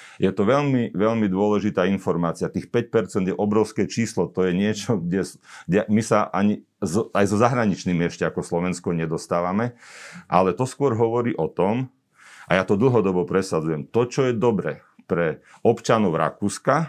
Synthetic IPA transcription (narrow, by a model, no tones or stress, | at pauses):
jɛt̪ɔʋɛʎmiʋɛʎmid̪ʊɔlɛʒit̪aːinfɔɾmaːt͡siat̪iːxpɛc̚pɛɾt͡sɛnd̪jɛʔɔbɾɔʊskɛt͡ʃiːslɔt̪ɔjɛɲɪɛt͡ʃɔɡɟɛsɡɟɛmisaʔaɲi | zajzɔzaɦɾaɲit͡ʃniːmiɛʃcɛakɔslɔʋɛnskɔɲɛd̪ɔst̪aːʋamɛʔa̰lɛt̪ɔskʊɔɾɦɔʋɔɾiːʔɔt̪ɔm | ʔa̰jat̪ɔd̪l̩ɦɔd̪ɔbɔpɾɛsad͡zujɛmt̪ɔt͡ʃɔjɛd̪ɔbɾɛ | pɾɛ | ɔpt͡ʃanɔʊɾa̰kuːska